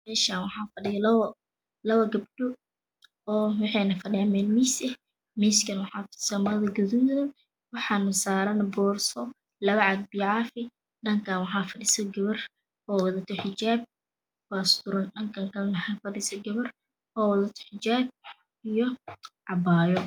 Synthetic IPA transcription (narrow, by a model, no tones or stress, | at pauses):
mɛːʃaːnwɑħɑːfɐɖɪjɐl | lɐβɐɡɐbɖ̥ʊ | ɔːwɑħɛjnɐfɐɗɛːmɛːnmisɛ | miskɐnwɑħɑːtʊ̥sɐmɐðɐɡʊðuðɐn | wɑħɑːnɐsaːɾɐnbɔːrsɔ | lɐβɐʕɑd̪̚bɪjʕɑfɪ | ɗɐŋkʰaːnwɑħɑːfɐɗɪsɐɡɐβɐr | ɔːwɐðɐt̪ʰʊħɪd͡ʒaːb̚ | wast̪ʊɾɐnɗɐŋkʰaŋkʰɐwɑħɑːfɐɗɪsɐɡɐβɐr | ɔːwɐðɐt̪ʰʊ̥ħɪd͡ʒaːb̚ | ijɔʕɑbaːjɔ